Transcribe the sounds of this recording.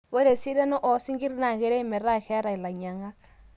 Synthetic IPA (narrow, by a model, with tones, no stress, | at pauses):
we˦ɾe˨si˦ɾɛ˦nɔ˦ʔɔ˨˦si˦ŋɡi˦ɾna˨ɣe˨˦ɾe˦mɛ˨ɾa˦xɛ˦ɾa˨i˨la˨ɲa˨ŋa˦k